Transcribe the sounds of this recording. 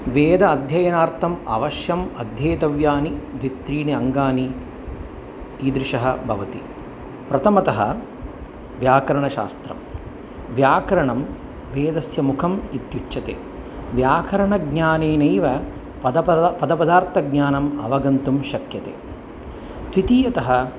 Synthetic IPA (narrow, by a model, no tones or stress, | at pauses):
ʋeːd̪ɐːd̪ʱjɐjɐnaːɾt̪ʰɐmɐ̰ʋɐʃjɐmɐd̪ʱjeːt̪ɐʋjaːnid̪ʋit̪ɾiːneɐŋɡaːni | iːd̪ɾɪʃɐɦɐbʱɐʋɐt̪i | pɾɐt̪ʰɐmɐt̪ɐɦɐ̰ | ʋjaːkɐɾɐɳɐʃa̰ːst̪ɾɐ̰m | ʋjaːkɐɾɐɳɐm | ʋeːd̪ɐsjɐmukʰɐmit̪jut͡ʃʃɐt̪ḛː | ʋjaːkʰɐɾɐɳɐɡɲaːneːnɐjʋɐ | pɐd̪ɐpɐpɐd̪ɐpɐd̪aːɾt̪ʰɐɡɲaːnɐmɐ̰ʋɐɡɐnt̪umʃɐkjɐt̪ḛː | t̪ʋit̪iːjɐt̪ɐɦɐ̆